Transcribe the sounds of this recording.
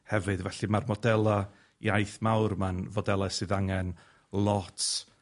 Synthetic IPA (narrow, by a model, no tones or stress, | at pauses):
hɛvɨdvɛɬimarmɔdɛlˠa | ḭajθmawrmanvɔdɛlˠasɨðaŋɛn | lˠɔtʰ